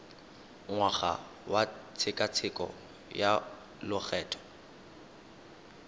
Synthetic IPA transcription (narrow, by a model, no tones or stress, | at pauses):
ŋwaχa̰ | wat͡sʰɪkʼat͡sʰɪkʼɔ̰ | ja | lʊk͡xɛːtʰɔ̥